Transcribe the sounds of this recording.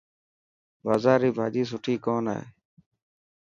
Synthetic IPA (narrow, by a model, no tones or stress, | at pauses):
ʋaːzaːɾiːbʱaːd͡ʒiːs̬ʊʈʰiːkoːna̰ːḛː